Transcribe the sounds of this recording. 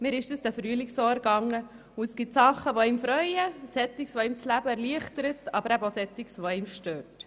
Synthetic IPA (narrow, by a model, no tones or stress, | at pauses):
mɪːɾɪʃd̥əsd̥æfɾyːəlɪksoːɛɾɡ̥ɑŋːə | ʊɛsɡ̥ɪtsɑχːəʋoiːmfɾœʏəsɛt̪ːɪksʋoiːmt͡slæbəɛɾliəχtəɾətɑ̰bəɾæbosɛt̪ːɪksʋoimʃtøːɾt